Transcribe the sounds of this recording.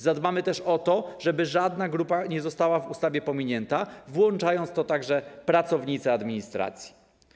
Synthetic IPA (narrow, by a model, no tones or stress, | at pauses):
zad̪mamɘt̪ɛʂɔt̪ɔʐɛbɘʐad̪naɡɾupaɲɛzɔst̪awavust̪avʲjɛpɔmʲiɲɛnt̪avwɔnt͡ʂajɔnt̪st̪ɔt̪aɡʐɛpɾat̪sɔvɲit̪sɛad̪mʲiɲist̪ɾa̰t̪sʲji̥